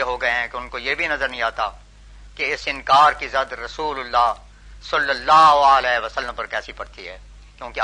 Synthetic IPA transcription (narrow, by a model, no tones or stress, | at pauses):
eɦoɡɐeɦɛ̃keʊnkojebʱinɐzəɾnɐ̃ĩaːt̪a | keɪsɪ̃nkaːɾkizɐd̪ɾɐsuːlʊlːaː | sɐlːəlːaːɦoəlɛːʋɐsəlːə̃mpɐɾkɛːsipɐɽt̪iɦɛː | kjõːke